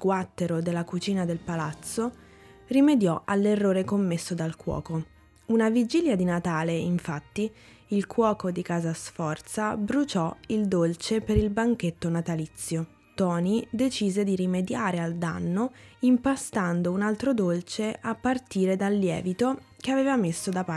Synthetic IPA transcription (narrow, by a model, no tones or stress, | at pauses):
ɡwat̪ːeɾod̪elːakut͡ʃiːnad̪elpalat̪sːo | rimed̪jɔʔalːerːoːɾekomːesːod̪alkwɔ̰ːko | unavid͡ʒiljad̪inat̪aːleiɱfat̪ːi | ilkwɔːkod̪ikaːzasfɔrt̪sabɾut͡ʃɔild̪olt͡ʃepeɾilbaŋk̟et̪ːonat̪alit̪sːjo | t̪ɔːnid̪et͡ʃiːzed̪iɾimed̪jaːɾeald̪a̰nːoimpast̪and̪ounalt̪ɾod̪olt͡ʃeʔapːart̪iːɾed̪alːjɛ̰ːvit̪o | keaveːvamesːod̪apa